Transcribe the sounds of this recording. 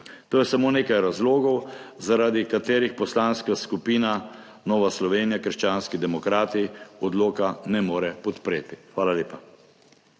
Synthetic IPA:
t̪oːjɛsamoːneːkajɾazloːɡɔwzaɾaːd̪ikat̪eːɾixpɔslaːnskaskupiːna | nɔːʋaslɔʋeːnijakəɾʃt͡ʃaːnskid̪ɛmɔkɾaːt̪iɔd̪loːkanɛmoːɾɛpɔt̪pɾeːt̪ixʋaːlaleːpa

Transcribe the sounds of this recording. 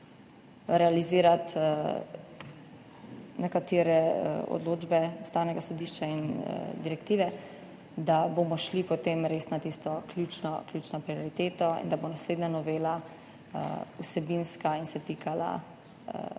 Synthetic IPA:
ɾɛaliziːɾat̪ | nɛkat̪eːɾɛ̰ɔ̰d̪loːd͡ʒbɛust̪awnɛɡasɔd̪iʃt͡ʃain̰d̪iɾɛkt̪iːʋɛ | d̪abomɔʃlipɔt̪eːmɾeːsnat̪ist̪ɔklʲjut͡ʃnɔklʲjuːt͡ʃnɔpɾiɔɾit̪eːt̪ɔḭnd̪abonasleːd̪nanɔʋeːla | usɛbinskainsɛt̪iːkʰala̰

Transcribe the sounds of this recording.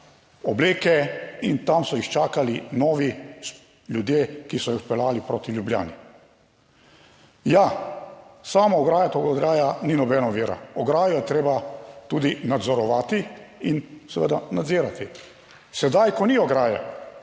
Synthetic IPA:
ɔbleːkɛint̪amsɔixt͡ʃaːkalinɔːʋi | ljud̪jekisɔjixpɛlaːlipɾoːt̪iljublja̰ːni | ja | saːmɔɔɡɾaːjat̪oɡaɔd̪ɾaːjaninɔbɛːnɔʋiːɾa̰ɔɡɾaːjɔjɛt̪ɾeːbat̪ud̪inad̪zɔɾɔʋaːt̪iinsɛʋə̰d̪anad̪ziːɾat̪i | sɛd̪ajkɔniɔɡɾaːja̰

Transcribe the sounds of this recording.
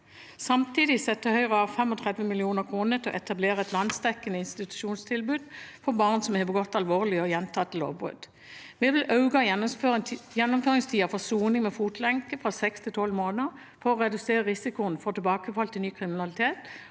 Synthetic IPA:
sɑmt̪ʰiːd̪ɪsɛt̪ːəhœʏʁəɑʋfɛmɔt̪ʰʁɛd̪ʋəmɪlɪuːnəʁkʰʁuːnət̪ʰɪɔ̰ʔɛt̪ɑbleːʁəɛt̪lɑnsd̪ɛkːənəɪnst̪ɪt̪ʉ̥ʃuːnst̪ʰɪlbʉːd̪fɔʁbɑʁnsɔmɛbəɡɔt̪ːɑlʋoːʁlɪɔjɛnt̪ʰɑt̪ʰːlo̰ːʋbʁʉ̰d̪̥ | ʋɛʋɪlʔɑʉɡɑøjɛnːʊmføːʁɪŋst̪ʰiːɑfɔʁsuːnɪŋmɛfuːt̪lɛŋkəfʁɑsɛkst̪ʰɪlt̪ʰɔlmoːnə | fɔʁɔʁɛd̪ʉseːʁəʁɪsɪkʊənəfɔʁt̪ɪlbɑːkəfɔlt̪ʰɪnyːkʰʁɪmɪnɑlɪt̪ʰeːt̪

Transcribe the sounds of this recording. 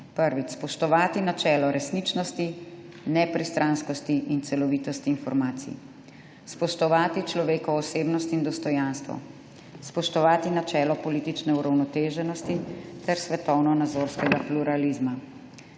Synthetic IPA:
pəɾʋit͡ʃspɔʃt̪ɔʋaːt̪inat͡ʃɛːlɔɾʔɛsnit͡ʃnɔst̪i | nɛpɾist̪ɾʔanskɔst̪iʔint̪sɛlɔʋiːt̪ɔst̪iːnfɔɾmaːt̪sḭ | spɔʃt̪ɔʋaːt̪it͡ʃlɔʋeːkɔːseːbnɔst̪ind̪ɔst̪ɔjanst̪ʋɔ̰ | spɔʃt̪ɔʋaːt̪inat͡ʃɛːlɔpɔliːt̪it͡ʃnɛuɾawnɔt̪eːʒɛnɔst̪it̪ɛɾsʋɛt̪ɔwnɔnad̪zoːɾskɛɡapluɾalizma

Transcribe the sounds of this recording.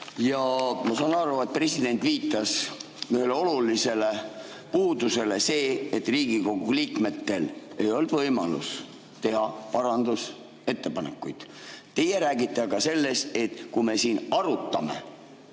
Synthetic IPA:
jɑmɑsɑːnɑɾuet̪̚pre̞sid̪̥e̞nt̪ˑviːt̪ːˑɑs | yhe̞leo̞lulise̞le̞ | puːd̪use̞le̞se̞ːet̪riːɡ̥iko̞ɡ̥uliːkme̞t̪ːe̞le̞jo̞ld̪vɤjmɑ̰lṵs | t̪e̞ɦɑpɑɾɑnd̪us | e̞t̪ːe̞pɑne̞kːˑujd̪̥ | t̪ːe̞jeɾæːɡit̪ːˑeɑɡɑse̞lːest̪e̞t̪kujme̞siːnɑɾut̪ˑːɑme̞̰

